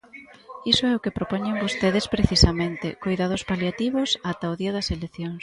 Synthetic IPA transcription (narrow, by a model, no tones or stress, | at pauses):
isʊɛʊkepɾopɔɲeŋbost̪eðespɾeθisamẽnt̪ɪkojðað̞ʊspaljat̪iβʊsat̪aoðiɐðɐseleθjoŋs